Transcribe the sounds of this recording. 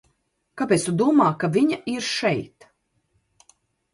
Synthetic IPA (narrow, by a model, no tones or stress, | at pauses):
kapʲɛːt̪st̪ud̪uɔmaːkavʲiɲaiɾʃɛjt̪